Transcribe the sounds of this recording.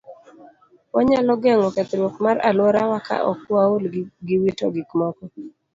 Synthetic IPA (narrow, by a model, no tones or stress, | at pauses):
waɲalɔɡɛŋɔkɛt̪ɾwɔkmaɾa̰lwɔɾawaka̰ʔɔ̰kwaolɡɪwito̰ɡɪkmɔkɔ